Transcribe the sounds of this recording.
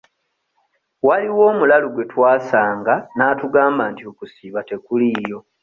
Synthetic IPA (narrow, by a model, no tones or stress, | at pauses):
waliwo̞ːmulaluɡwe̞twaːsaːŋɡanaːtuɡaːmbaːntiokusiːβate̞kulijo̞